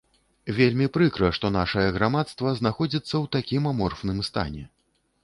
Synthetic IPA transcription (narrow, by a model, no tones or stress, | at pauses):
vʲelʲmʲipɾɨkɾɐʂt̪ɔnaʂɐjɐɣɾamat̪st̪vɐznaxɔd͡zʲit̪sːɐwt̪akʲimamɔrfnɨmst̪a̰nʲɛ̰